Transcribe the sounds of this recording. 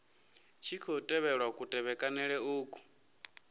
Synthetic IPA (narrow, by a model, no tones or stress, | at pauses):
t͡ʃʰikʰɔtʼɛβɛɺwakʼutʼɛβɛkʼanɛɺɛuːkʼu̥